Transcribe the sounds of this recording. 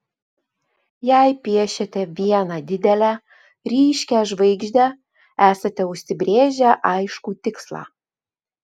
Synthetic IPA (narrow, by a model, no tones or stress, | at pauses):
jæɪpʲiɛʃʲɛt̪ʲɛʋʲiɛnɑd̪ʲɪd̪ʲɛlʲæ | ɾʲiːʃʲkʲæʒʋɐɪɡʒʲd̪ʲæ | æːsɐt̪ʲɛʊʃʲsʲɪbʲɾʲeːʒʲæʔɑɪʃkuːt̪ʲɪkslˠɑ̰